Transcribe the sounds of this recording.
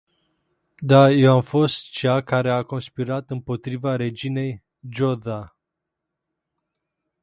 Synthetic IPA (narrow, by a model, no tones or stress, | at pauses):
d̪aje̞wamfo̞st̪t͡ʃakaɾe̞ako̞nspiɾat̪ɨmpo̞t̪ɾivaɾe̞d͡ʒine̞j | d͡ʒo̞d̪a